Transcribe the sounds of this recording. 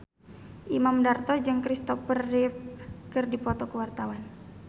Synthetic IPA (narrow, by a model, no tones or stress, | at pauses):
ʔimamdart̪ɔd͡ʒɨŋkɾist̪ɔfərifkɨrdipɔt̪ɔkəwart̪awan